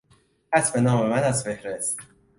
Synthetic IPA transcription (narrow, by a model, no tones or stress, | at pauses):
æsbe̞nɒːme̞mænæsfehɾest̪